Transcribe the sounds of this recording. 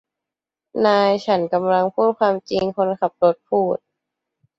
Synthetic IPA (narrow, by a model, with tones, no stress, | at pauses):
naː˧jt͡ɕʰa˦˥nka˧mla˧ŋpʰuː˥˩t̪̚kʰwaː˧mt͡ɕi˧ŋkʰo˧nkʰa˨˩p̚lo˦˥t̪̚pʰuː˥˩t̪̚